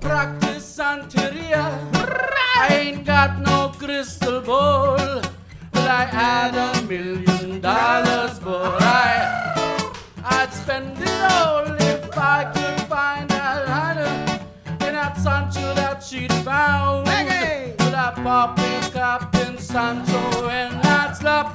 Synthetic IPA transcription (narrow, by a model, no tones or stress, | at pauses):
pʰɹ̥æk̚tɨsãntʰɨɾiə | aɪẽɪ̃nɡɑt̚ⁿnoʊkɹɪstəl̩ˠbol | bʌɾaɪʔæɾəmɪlˠjɨ̃ndɔlə˞zbəɹaɪ | aɪspɛ̃nðiolɪfaɪkʰɨdfãɪ̃ndaaɪnə | ɨ̃nətsʌ̃nt͡ʃoðətʃidfãʊʊ̃nwʌɾaɪpɑpɪ̃kʌpɪ̃nsʌ̃nt͡ʃəɨ̃nðætslʌk